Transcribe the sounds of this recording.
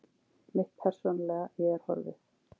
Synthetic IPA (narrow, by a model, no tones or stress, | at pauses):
mɪht̪̚pʰɛɾ̥sɔnalɛɣaɛaɾ̥hɔ̰ɾvɪ̰